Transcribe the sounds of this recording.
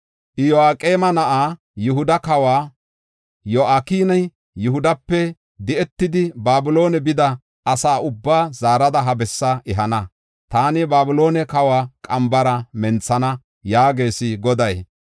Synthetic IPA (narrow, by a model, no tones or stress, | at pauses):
ʔɪjɔaːkʼeːmɐnɐʔaː | jʊɦʊd̪ɐkɐwaː | joʔaːkiːnɐj | jʊɦʊd̪ɐpːɛ | d̪ɪʔɛt̪ːɪd̪ɪbaːbʊlo̞ːnɛbɪd̪ɐ | ʔɐsaːʊbːaːzaːɾɐd̪ɐɦɐbɛsːɐʔɪɦɐnɐ | t̪aːnɪbaːbʊlo̞ːnɛkɐwaːkʼɐmbɐɾɐmɛnt͡sːɐnɐ | jaːɡe̞ːsɪɡɔd̪ɐj